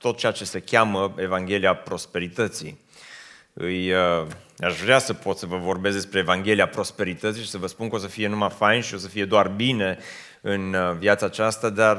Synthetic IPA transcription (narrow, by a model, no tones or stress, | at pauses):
t̪o̞t̪̚t͡ʃeat͡ʃe̞se̞kʲaməe̞vaŋɡʲe̞liapɾo̞spe̞ɾit̪ət̪sḭ | ɨjəaʃvɾeasəpo̞t̪səvəvo̞rbes̬t̪d̪espɾe̞ːvaŋɡʲe̞liapɾo̞spe̞ɾit̪ət̪siʃi̥səvəspuŋkəo̞s̬əfije̞numafajnʃio̞səfije̞d̪oarbine̞ | ɨnvjat̪saːt͡ʃast̪ad̪ar